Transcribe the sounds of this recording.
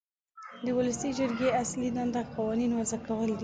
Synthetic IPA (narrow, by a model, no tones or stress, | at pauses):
d̪əwʊləsid͡ʒəɾɡeaslid̪and̪aqɑwɑninwazakawəld̪i